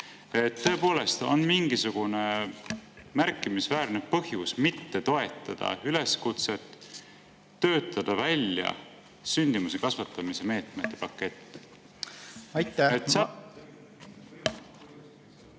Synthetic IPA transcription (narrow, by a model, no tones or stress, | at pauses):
e̞t̪ːɤ̞e̞po̞ːle̞st̪o̞̰nmiŋɡ̥isuɡ̥une̞ | mærkːˑimisvæːɾnepɤhjusmit̪ːe̞t̪o̞e̞t̪ːˑɑd̪̥ɑ̰yle̞skut̪se̞t̪ː | ø̞ːt̪ːˑɑd̪̥ɑvælʲjɑ̰ | synʲd̪̥imusekɑsvɑt̪ːˑɑmise̞me̞ːt̪met̪ːe̞pɑkːe̞t̪ː | ɑjt̪e